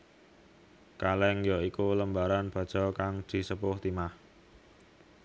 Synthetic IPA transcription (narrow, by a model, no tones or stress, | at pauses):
kalɛŋjɔikuləmbaɾanb̥a̤d̥ʒ̥ɔ̤kaŋd̪̥i̤səpʊht̪imah